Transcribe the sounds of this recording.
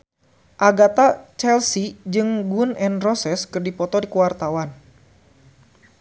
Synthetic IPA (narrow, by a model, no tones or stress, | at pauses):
ʔaɡat̪at͡ʃɛlsid͡ʒɨŋɡunɛnrɔsɛskɨrdipɔt̪ɔdikuwart̪awan